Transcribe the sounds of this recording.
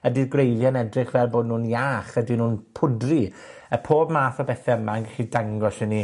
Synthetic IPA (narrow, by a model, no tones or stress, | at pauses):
ədiɡrejlˠjanɛdrɪχvɛlˠboːdnuːnjaːχədinuːnpʰʊdri | əpʰoːbmaːθɔbɛθɛəmanŋɡɛχidaŋɡɔsəni